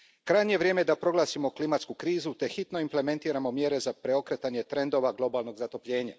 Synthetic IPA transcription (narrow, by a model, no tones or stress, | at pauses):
kɾajɲejeʋɾje̞ːmed̪apɾo̞ɡlˠaːsimoklimat̪skukɾiːzut̪e̞xit̪no̞imple̞me̞nt̪iːɾamo̞mje̞ɾe̞zapɾeo̞kɾe̞t̪aɲe̞t̪ɾe̞nd̪o̞ʋaɡlˠo̞baːlˠno̞ɡzat̪o̞pʎe̞ːɲa̰